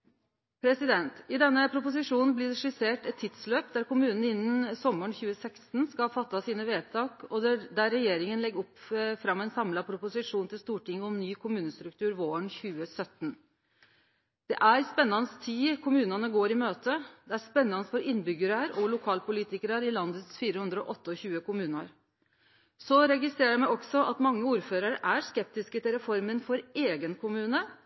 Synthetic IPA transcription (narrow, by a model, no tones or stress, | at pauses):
pʰɾɛsɪd̪ɛnt̪ɪd̪ɛnːəpʰɾʊpʊs̬ɪʂuːnn̩blɪɖɛʂɪseːʈɛt̪ʰːɪd̪̥sløːpd̪æɾkʊmʉːnn̩ɪnːn̩sɔmːəɳçʉːəsɛkst̪nskɑlfɑt̪ːɑsiːnəʋeːd̪t̪ʰɑːkɔd̪æɾːɛjeːɾɪŋənlɛɡɔpfɾɑmːɛɪnsɑmlɑpʰɾʊpʊsɪʂuːnt̪ʰɪlst̪uːʈɪŋːəɔmnyːkʰʊmʉːnəst̪ɾʉk̚t̪ʰʉːɾʋoːəɳçʉːəsœt̪ːn | d̪̥ɛʔæɾspɛnːɑnəst̪ʰiːkʰʊmʉːnɑnəɡoːɾɪmøːt̪ʰəd̪ɛæɾspɛnːɑnəsfɔɾɪnːbʏɡəɾəɾɔlʊkʰɑːlpʊliːt̪ɪkəɾəɾɪlɑnd̪ət̪sfiːɾəhʉnd̪ɾəɔʔɔt̪ːəɔçʉːəkʊmʉːnɑɾ | sɔɾɛɡɪst̪ɾeːɾəɾmɛɪɔksɔʔɑt̪mɑŋːəuːɾføːɾɑɾʔæɾʂkɛp̚t̪ɪskət̪ɪlɾɛfɔɾmənfɔɾeːɡənkʰʊmʉːnə